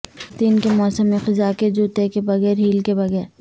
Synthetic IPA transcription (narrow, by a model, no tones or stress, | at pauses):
t̪iːnkemɔːsəmːẽxɪzaːked͡ʒuːt̪ekebɐɣɛːɾɦiːlkebɐɣɛːɾ